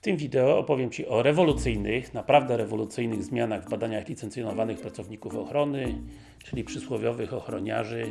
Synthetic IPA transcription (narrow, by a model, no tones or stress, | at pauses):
ft̪ɘmvʲid̪ɛɔɔpɔvʲjɛmt͡ɕiʔɔɾɛvɔlut̪sɘjnɘxnapɾavd̪ɛɾɛvɔlut̪sɘjnɘɣzmʲjanaɣvbad̪aɲaɣlʲit̪sɛnt̪sʲjɔnɔvanɘxpɾat̪sɔvɲikufɔxɾɔnɘ | t͡ʂɘlʲipʂɘswɔvʲjɔvɘxɔxɾɔɲa̰ʐɘ